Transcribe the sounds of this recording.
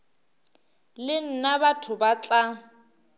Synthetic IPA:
lɪn̩nabatʰʊbat͡ɬʼa

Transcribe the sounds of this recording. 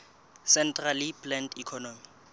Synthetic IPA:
sɛntʼraliplɛntikʰɔnɔmi

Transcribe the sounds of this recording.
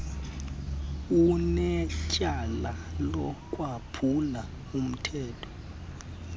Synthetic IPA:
unɛcʼalalɔkʼwapʰula | um̩tʰɛːtʰɔ̥

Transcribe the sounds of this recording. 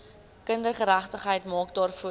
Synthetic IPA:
kəndərχəɾæχtəχɦəjtmɑːk̚dɑːrfuə

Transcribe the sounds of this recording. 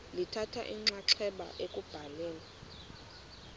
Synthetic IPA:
litʰatʰa̰ʔiŋ͡ǀaǀʰɛɓa̰ʔekʼub̥ʱalɛːla

